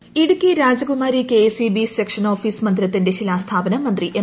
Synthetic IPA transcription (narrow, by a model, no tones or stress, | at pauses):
iɽukːiɾaːd͡ʑɐɡumaːɾikesibisekʂɐnoːfiːsmɐnd̪ɾɐt̪ːinde̞ɕilaːst̪ʰaːbɐnɐmɐnd̪riʔe